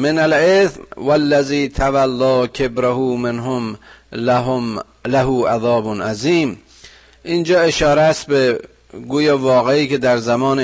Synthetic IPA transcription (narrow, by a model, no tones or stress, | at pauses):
menalesmwælːæziːt̪ʰavalːɑːkʰebɾaɦuːmenɦom | læɦuːʔaðɒːbonʔaziːm | ʔind͡ʒɒːeʃɒːɾeæst̪̚be | ɡuːjɑːvɒːɣeiːked̪æɾzamɒːne